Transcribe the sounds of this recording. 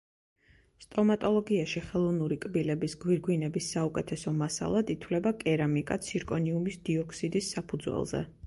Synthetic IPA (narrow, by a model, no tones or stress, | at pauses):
st̪ʼɔmat̪ʼɔlˠɔɡiaʃiχɛlˠɔvnuɾikʼbilɛbisɡwiɾɡwinɛbisːaukʼɛt̪ʰɛsɔmasa̰lˠad̪it̪ʰwlɛbakʼɛɾamikʼat̪sʰiɾkʼɔniumisd̪̥iɔkʰsid̪isːapʰud̪zwɛ̰lˠzɛ̰